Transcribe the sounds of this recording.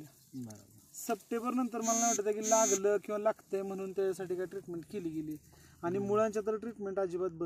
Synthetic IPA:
səp̚ʈebəɾnənt̪əɾməlalaʋaʈət̪jakiːlaɡləkĩw̃ʋalaɡt̪əjm̤əɽ̃uːnt̪jajasaʈiːkaʈɾiʈmeɳʈkeliːɡeliː | aɽ̃imuɭãɲt͡ɕjat̪̬əɾʈɾiʈmeɳʈad͡ʑiːbat̪̚bə

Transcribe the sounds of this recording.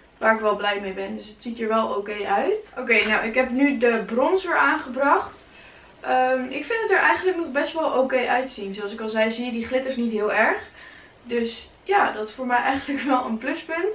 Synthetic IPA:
ʋaːɹɪkʋɛlˠblɛjmejbɛndəsətsitiːɹʋɛlˠokejʔœɥtʔowkejnawɪkɦɛpnydəbrɔnsʋɪːɹaːnχəbrɑχt | ʔəmʔɪkfɪndətəɹʔɛjχəndlək̚nɔχbɛstʋɛlˠʔoːkejʔœɥtzinzoɑls̬ɪkɑlˠzɛjziədiχlɪtəɹsnitɦɪːlˠɛɹχ | døs | jaːdɑttfʊːɹmɛjʔɛjχəndləkʋɛlˠənplɵspənt

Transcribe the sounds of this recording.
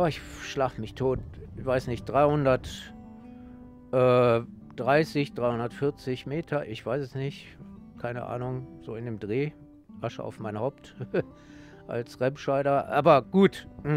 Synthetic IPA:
aːɪçʃlaːfəmɪçtʰoːtɪçv̥aɪsnɪçt̚d̥ʁaɪhʊndɐt | ʔɛː | d̥ʁaɪsɪçd̥ʁaɪhʊndɐtfɪɐt͡sɪçmeːtʰɐʔɪçv̥aɪsɛsnɪçt | kʰaɪnə̰ʔa̰ːnʊŋz̥oːɪndeːmdʁeː | ʔaʃə̰ʔa̰ʊfmaɪnhaʊp̚t | ʔa̰lsʁɛpʃaɪɾɐʔa̰ːbɐɡ̥uːtm̩

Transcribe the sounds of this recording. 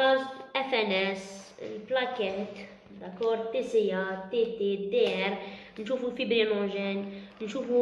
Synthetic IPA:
ɐst̪ɛfɛnɛs | ɪ̰lplɐkɛnt̪ | d̪ɐkːɔɾd̪̚t̪ːisɪjɐt̪ːit̪id̪ɛɛɾ | nʃuːfufibɾinɔ̃ʒɛnnʃuːfu

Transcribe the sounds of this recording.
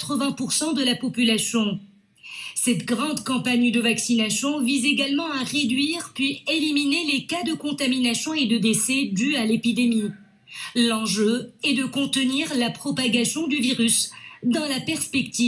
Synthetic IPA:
t̪χəvɛ̃puʁsɑ̃d̪əlapɔpylasjɔ̃ | sɛt̪ɡʁɑ̃d̪kɑ̃paɲd̪əvaksinasjɔ̃vizeɡalmɑ̃aʁed̪ɥiʁpɥieliminelekad̪əkɔ̃t̪aminasjɔ̃ed̪əd̪esɛd̪yalepid̪emi | lɑ̃ʒøɛd̪əkɔ̃t̪əniʁlapχɔpaɡasjɔ̃d̪yviʁysd̪ɑ̃lapɛʁspɛkt̪i

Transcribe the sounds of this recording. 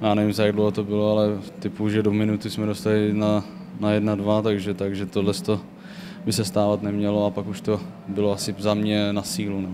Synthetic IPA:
jaːnɛvimzajaɡdlowɦot̪o̞bɪloalɛt̪ɪpuʒɛdomɪnut̪ɪsmɛdo̞st̪alɪna | najɛdnadvat̪aɡʒɛt̪aɡʒɛt̪odlɛst̪o̞ | bɪsɛst̪aːvat̪nɛmɲɛloapakuʃt̪o | bɪloasɪzamɲɛnasiːlunɛ

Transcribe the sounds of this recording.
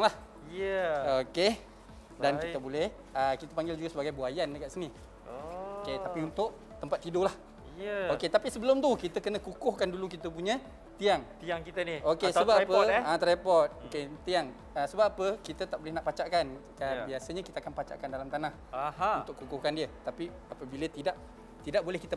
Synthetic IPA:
ŋlah | əoke | dankit̪əbolɛh | əkit̪əpaŋɡɪld͡ʒuɡasəbaɡajbuajandəkaʔsəni | oket̪apiunt̪ʊʔ | t̪əmpat̪ːidolah | əoket̪apisəbəlʊmt̪ukit̪əkənəkukʊhkandulukit̪əp̬uɲə̃ | t̪iaŋt̪iaŋkit̪əniokesəbaapəãt̪ɾapɔt̪̚oket̪iaŋ | əsəbapapəkit̪ət̪aʔbolɛhnaʔpat͡ʃaʔkankabiasəɲəkit̪əakanpat͡ʃa̰ʔkandalamt̪anahaunt̪ʊʔkukʊhkandiət̪api | apəbilət̪idaʔ | t̪idaʔ̚bolɛhkit̪ə

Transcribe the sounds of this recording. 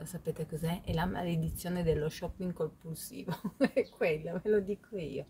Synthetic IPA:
sapeːt̪ekozɛɛlama̰led̪it̪sːjoːned̪elːoʃɔpːiŋkompulsḭːvoɛkːwelːomelod̪ikʰoḭːo

